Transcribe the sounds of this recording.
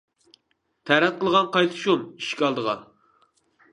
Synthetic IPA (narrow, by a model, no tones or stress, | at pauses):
t̪ʰæɾɛt̪̚qəlˠʁɑnqʰɑjt̪ʰɨ̥ʃumiʃkʲɑlˠd̪əʁɑ̰